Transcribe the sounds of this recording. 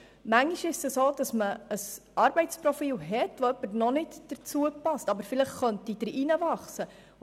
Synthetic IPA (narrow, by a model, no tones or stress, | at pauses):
mæŋːiʃɪʃsəsoːd̥ɑsməəsɑːɾb̥ɛɪtsprɔfiːlɦɛtʋoœpːəɾnɔnɪtd̥əɾt͡suəpɑstɑbəɾfɪləχχœntid̥əɾinəvɑχsə